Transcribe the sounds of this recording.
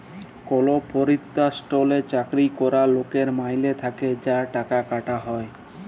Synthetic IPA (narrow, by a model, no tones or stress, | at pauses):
kolopoɾit̪ːasʈolet͡ɕakɾikɔɾalokeɾmajlet̪ʰaked͡ʑaʈakakaʈaɦɔe